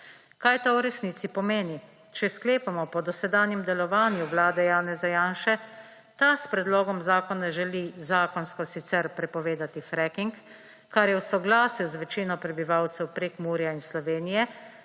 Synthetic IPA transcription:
kajt̪awɾɛsniːt̪ipɔmeːni | t͡ʃɛskleːpamɔpɔd̪ɔsɛd̪aːnjɛmd̪ɛlɔʋaːnjuʋlaːd̪ɛjaːnɛzajaːnʃɛ | t̪aspɾɛd̪lɔːɡɔmzaːkɔnaʒɛlizaːkɔnskɔsit̪sɛɾpɾɛpɔʋeːd̪at̪ifɾɛkiŋk | kːaɾjɛwsɔɡlaːsiwzʋɛt͡ʃiːnɔpɾɛbiʋawt̪sɛwpɾeːkmuːɾijainslɔʋeːnijɛ

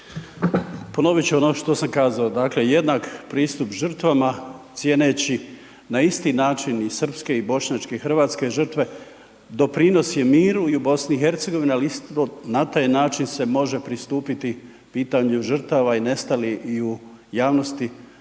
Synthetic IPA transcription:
po̞no̞ʋit͡ɕuo̞no̞ʃt̪o̞samkaːzaod̪aːkle̞je̞d̪nakpɾiːst̪upʒr̩t̪ʋamat̪sje̞ːnet͡ɕi | naist̪inaːt͡ʃinisr̩pske̞ibo̞ʃɲaːt͡ʃke̞ixr̩ʋaːt̪ske̞ʒr̩t̪ʋe̞ | d̪o̞pɾino̞sje̞miːɾuiubo̞sniːxe̞ɾt̪se̞ɡo̞ʋinialiist̪onat̪aːjnaːt͡ʃinse̞mo̞ʒe̞pɾist̪uːpit̪i | piːt̪aɲuʒər̩t̪aʋaine̞st̪aliʔiujaːʋno̞st̪i

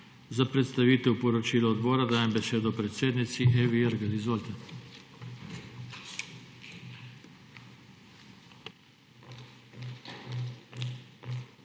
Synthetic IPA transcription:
zapɾɛt̪st̪aʋiːt̪ɛwpɔɾɔt͡ʃiːlɔːd̪bɔːɾad̪aːjɛmbɛseːd̪ɔpɾɛt̪seːd̪nit̪siʔeʋiɛɾɡalizʋoːlt̪ɛ

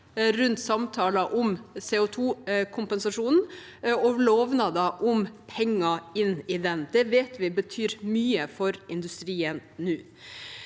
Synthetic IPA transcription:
ɾʉnt̪sɑmt̪ʰɑːlɑʔʊmseːʊt̪ʰuːkʰʊmpɛnsɑʂuːnn̩ | ɔloːʋnɑd̪ɑʔʊmpʰɛŋːɑɪnːɪd̪ɛnd̪ɛʋeːt̪ʰʋɪbət̪ʰyːɾmyːəfɔɾɪnd̪ʉst̪ɾiːənnʉː

